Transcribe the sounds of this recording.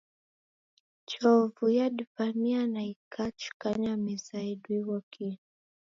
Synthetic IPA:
t͡ʃɔvujaɗifamianaikʰat͡ʃu̥kaɲamizaiɗwiwɔkʰi

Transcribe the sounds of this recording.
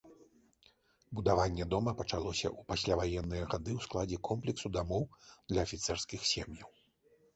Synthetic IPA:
bud̪avanʲːɛd̪ɔmɐpɐt͡ʂalˠɔsʲɐ̰ʔupasʲlʲavajɛnːɨjɐɣad̪ɨwsklˠad͡zʲɛkɔmplʲɛksud̪amɔwd̪lʲɐːfʲit̪sɛrskʲixsʲɛmjɐw

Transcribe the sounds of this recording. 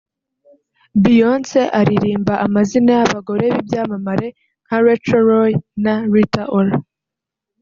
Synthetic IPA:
bijonseʔaɾiɾiːmbaʔamazinajaβaɡo̞ɾe̞βibjaːmamaɾe̞ | ŋ̥aɾet͡ʃoɾojnaɾitaʔola

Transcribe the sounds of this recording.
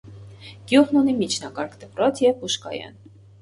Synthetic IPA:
ɡ̥juʁnunimit͡ʃʰnɑkɑɾkd̪əpɾɔt͡sʰjɛvpuʃkɑ̰jɑ̰n

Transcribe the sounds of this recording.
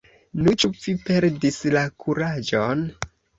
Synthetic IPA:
nut͡ʃufipe̞ɾdislakʰuɾad͡ʒon

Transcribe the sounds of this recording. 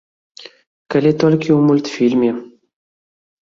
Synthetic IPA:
kalʲet̪olʲkʲiumulʲt̪fʲilʲmʲe

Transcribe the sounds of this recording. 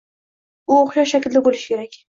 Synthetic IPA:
ʊoχʃɒʃakʲɪld̪abolɪʃɪkʲʰe̞ɾakʲ

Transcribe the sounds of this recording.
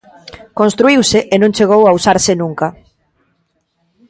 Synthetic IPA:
kõnst̪ɾuiwsɪʔenõŋt͡ʃeɣ̞owausaɾsɪnũŋka

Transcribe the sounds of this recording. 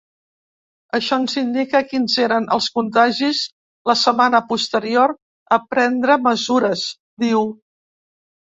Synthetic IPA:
əʃɔnzind̪ikəkinzeɾənʔə̰lˠskunt̪aʒiz | ləsəmanəpust̪əɾioɾ | əpɾɛnd̪ɾəməzuɾəz | d̪iw

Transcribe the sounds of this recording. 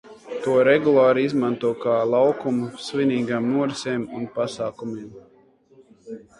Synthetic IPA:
t̪uɔɾɛɡulˠaːɾiizmant̪uɔkaːlˠawkumusviniːɡaːmnuɔɾsʲɛːmunpasaːkumiːm

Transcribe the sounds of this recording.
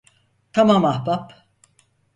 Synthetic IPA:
t̪ʰamamahbap

